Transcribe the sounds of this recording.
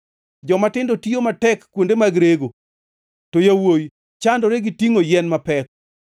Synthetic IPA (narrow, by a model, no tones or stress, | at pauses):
d͡ʒɔmatɪndotijomatɛkːwondemaɡɾeɡo | tojawoj | t͡ʃandɔɾeɡitiŋojɛnmapɛk